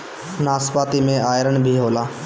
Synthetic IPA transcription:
naːspaːt̪imẽaːjɾəɳbʱiːɦoːlaː

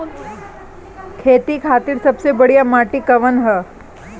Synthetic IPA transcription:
kʰeːt̪ikʰaːt̪iɾsɐbsebəɽijamaːʈikɐʋənɦə

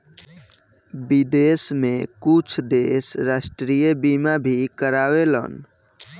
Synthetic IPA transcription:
bid̪esmekut͡ʃʰd̪esɾasʈɾijebimabʱikəɾawelə̰n

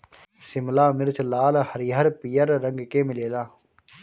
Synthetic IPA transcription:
sɪmlaːmɪɾt͡ʃlaːlhəɾiɦəɾpijəɾːə̃ŋɡkeːmɪleːlaː

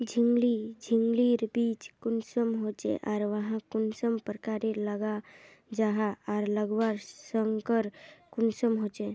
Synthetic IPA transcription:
d͡ʒʱiŋɡlid͡ʒʱĩŋɡliːɾbiːt͡ʃkʊnsəmɦoːt͡ʃḛʔɔːɾʋəɦãkʊnsəmpɾəkaːɾeləɡa | d͡ʒaɦaɔːɾləɡʋaɾsəŋɡkəɾkʊnsəmɦoːt͡ʃeː

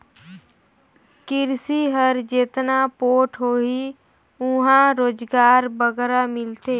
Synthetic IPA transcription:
kɪɾsiɦəɾd͡ʒeːt̪napoːʈʰɦoːi | ʊɦãɾoːd͡ʒɡaːɾbəɡɾamɪlt̪eː

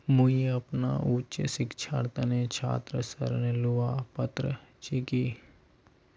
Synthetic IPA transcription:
muiɐpna̰ʔuːt͡ʃəsɪkt͡ʃʰaːɽt̪ənet͡ʃʰa̰ːt̪ɾəsəɾnelʊaːpət̪ɾət͡ʃikiː

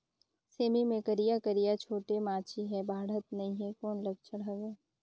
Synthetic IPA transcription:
seːmimẽkɐɾijakəɾijat͡ʃʰoːʈemaːt͡ʃʰiɦɛbʱaːɽ̤ət̪̚nɐɦĩɦɛ̃kɔːnlɐɡ̚t͡ʃəɽaɡeː

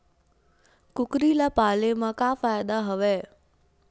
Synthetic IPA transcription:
kʊkɾilapaːlemãkaːfaːjd̪aɦəʋeː

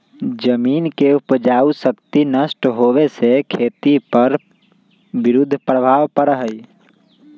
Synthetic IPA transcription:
d͡ʒəmiːnkeupd͡ʒaːusəkt̪inəsʈɦoʋesekʰeːt̪ipəɾ | bɪɾʊd̪ʱːpɾəbʱaːʋpəɾəɦəi

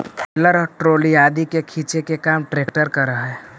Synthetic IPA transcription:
ləɾʈɾoːliaːd̪ikekʰiːt͡ʃekekaːmʈɾeːk̚ʈəɾkəɾəɦaɛː

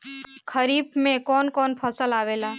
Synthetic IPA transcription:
kʰəɾiːbmẽkɔːnkɔːnpʰəsəlaːʋeːlaː

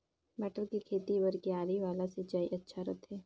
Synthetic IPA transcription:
mɛːʈəlkikʰeːt̪iʋəɾkiaːɾiʋaːlaset͡ʃaːiʔɐtːʃʰaɾot̪ʰeː

